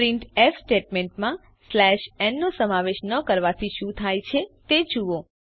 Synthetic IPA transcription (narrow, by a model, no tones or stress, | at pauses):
ɾiɳʈɛfsʈeʈmẽɳʈmã | slɛʃɛnːosəmaʋeʃnəkəɾʋat̪ʰiʃũt̪ʰajt͡ʃʰet̪ed͡ʒuʋo